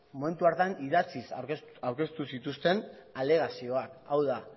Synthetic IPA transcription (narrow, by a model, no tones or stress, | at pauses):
mo̞me̞nt̪uaɾt̪aniðat͡sisawɾke̞st̪usit̪ust̪e̞nale̞ɣ̞asio̞akawða